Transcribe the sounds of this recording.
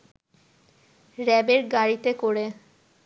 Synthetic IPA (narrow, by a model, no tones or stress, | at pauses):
ɾɛbeɾɡaɽit̪ekoɾe